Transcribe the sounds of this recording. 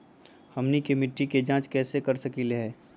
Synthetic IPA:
hɐmnikemɪʈːiked͡ʒãːt͡ʃkɛːsekɐɾsɐkileɦɛː

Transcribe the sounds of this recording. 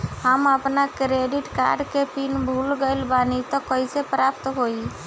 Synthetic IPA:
həməpnakɾeɖiʈka̰ɾɖkepinbʱulɡəjlbanit̪ɔkəjsepɾap̚t̪ɦoi

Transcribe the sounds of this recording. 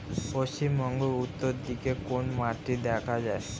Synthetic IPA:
poʃt͡ɕimbɔŋɡout̪ːoɾd̪ikekonmaʈːid̪ɛkʰad͡ʑae

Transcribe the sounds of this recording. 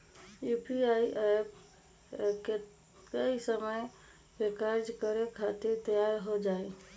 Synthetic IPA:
jupiaiʔep | k | kəisəməj | bekaɾd͡ʒkəɾekʰat̪iɾt̪əjaɾɦod͡ʒae

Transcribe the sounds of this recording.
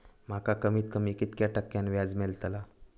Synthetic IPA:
m̤akakəmiːt̪kəmiːkit̪kjaʈəkːjanʋjad͡zmelt̪əla

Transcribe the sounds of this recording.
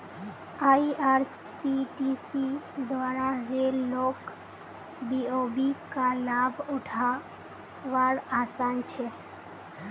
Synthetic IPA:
aiʔaɾ | siʈisid̪ʋaːɾaɾellok | biobikalabʱʊʈʰa | ʋaɾaːsant͡ʃʰe

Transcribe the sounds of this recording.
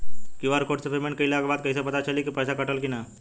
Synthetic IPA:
kuʋaːɾkoːʈsepʰeɾmeːnkɐilaːkbaːd̪̚kɐisepɐt̪at͡ʃɐlikipɛːsakɐʈəlkinaː

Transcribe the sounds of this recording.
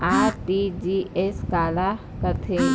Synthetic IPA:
aːɾʈid͡ʒieskala | kəɾt̪ʰe

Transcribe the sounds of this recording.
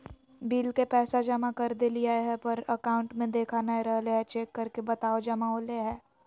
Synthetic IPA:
biːlkepɛːsad͡ʒɐmakɐɾd̪eliaeɦɛpɐɾəkaːʊ̃ɳʈmẽd̪eːkʰanaeɾɐɦleɦɛt͡ʃeːkːɐɾkebɐt̪aːod͡ʒɐmaoleɦɛː

